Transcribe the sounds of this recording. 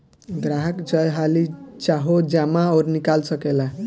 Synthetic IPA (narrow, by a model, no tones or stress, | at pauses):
ɡɾaɦʌkd͡zʌjɦalit͡ʃaɦod͡ʒamaʌɾnikalsʌkela